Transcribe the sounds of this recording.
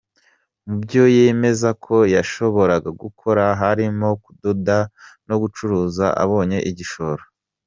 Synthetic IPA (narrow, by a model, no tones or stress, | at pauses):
mubɟo̞jeme̞zakʰo̞jaʃo̞βo̞ɾaɡaɡukʰo̞ɾaɦaɾimo̞kudodano̞ɡut͡ʃuɾuːza̰ʔa̰βo̞ːɲe̞ʔiɟiʃo̞ɾo